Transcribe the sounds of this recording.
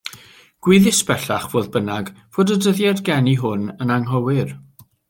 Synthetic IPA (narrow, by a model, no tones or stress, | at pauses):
ɡ̥wɪðɪsb̥ɛɬaχv̥oːðbənaɡ | v̥oːdədəðjɛdɡɛniɦʊnənaŋɦɔwɪr